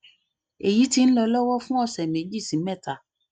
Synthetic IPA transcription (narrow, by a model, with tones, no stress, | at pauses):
e˨ji˦ti˦n̩˦lɛ˨˦lɔ˦wɔ˦fũ˦ɔ˦sɛ˨mẽ˨˦d͡ʒi˦˨sĩ˨mɛ˦˨tʰa˨